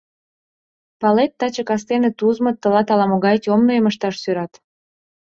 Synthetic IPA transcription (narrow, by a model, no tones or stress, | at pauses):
pɑlet̪ːɑt͡ɕəkɑst̪enet̪uzmə̆t̪ːə̆lɑt̪ɑlɑmoɣɑjt̪ʲomnojeməʃt̪ɑʃsyɾɑt̪